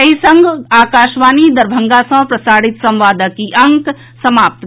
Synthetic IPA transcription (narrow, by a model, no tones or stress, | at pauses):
ɐɦisɐ̃ŋɡʱaːkaːʃʋaːnid̪ɐɾbʱəŋɡasɐ̃ɦpɾɐsaːɽit̪sɐ̃mʋaːd̪əkiʔɐŋk | sɐmaːp̚t̪